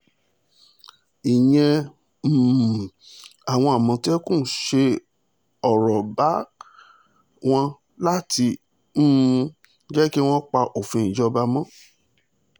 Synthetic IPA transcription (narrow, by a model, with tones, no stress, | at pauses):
i˨j̃ɛ̃˧ | m̩˨ | a˨w̃ɔ̃˧a˨mɔ̃˨˧tɛ˦kũ˦˨˦ʃe˧ | ɔ˨ɾɔ˨ba˨˦ | w̃ɔ̃˧˦ | la˦ti˧ | m̩ː˦˧ | d͡ʒɛ˦ki˦w̃ɔ̃˦k͡pa˧ʔo˨fĩ˧˨ĩ˨d͡ʒɔ˧ba˧mɔ̃˦